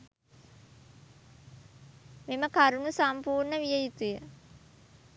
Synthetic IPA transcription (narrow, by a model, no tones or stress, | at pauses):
meməkaɾunusampuːɾɳəʋijəjut̪ujə